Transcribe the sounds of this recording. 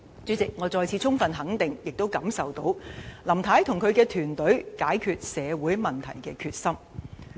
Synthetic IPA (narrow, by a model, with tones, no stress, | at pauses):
t͡syː˨˥t͡sɪ˨k̚ŋɔː˨˧˥t͡sɔː˨˧jt͡sʰiː˨˧t͡sʰʊ˥ŋfɐ˨nɦɐ˨˥ŋt̪ɪ˨˩ŋjɪ˨k̚t̪o˥wkɐ˨˥msɐ˨wt̪o˨˥wlɐ˨˩mt̪ʰaː˨˥jt̪ʰʊ˨˩ŋkʰɵ˨˧ɥkɛː˧t̪ʰyː˨˩nt̪ɵ˨˥ɥkaː˨˥jkʰyː˧t̚sɛː˨˧wuː˨˥jmɐ˨˩nt̪ʰɐ˨˩jkɛː˧kʰyː˧t̚sɐ˥m